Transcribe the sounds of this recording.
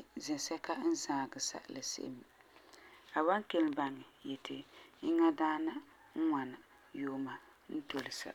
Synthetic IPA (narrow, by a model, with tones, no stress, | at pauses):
zɪ˨sɛ˦ka˦n̩˦zaː˨ɡɨ˨sa̰˨ʔlɨ˨sḛ˦m˨ | a˨ba˦ŋke˦lba˦ŋɪ˨jɛ˨tʰɪ˨i˦ŋa˦daː˦na˦ | ŋ̩˦ŋa˨nɨ˨ | joː˦ma˨ | n̩˦to˨lɪ˨sa̰˨